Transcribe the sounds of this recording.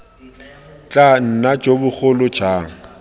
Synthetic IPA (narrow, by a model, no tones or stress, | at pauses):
t͡ɬʼan̩nad͡ʒobʊk͡xʊlʊd͡ʒaːŋ̩